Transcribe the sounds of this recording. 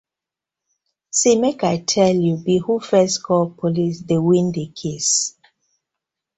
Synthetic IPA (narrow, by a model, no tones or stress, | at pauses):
simekaɪtʰɛljubihufɛskʰɔlpʰolisdewĩndekʰes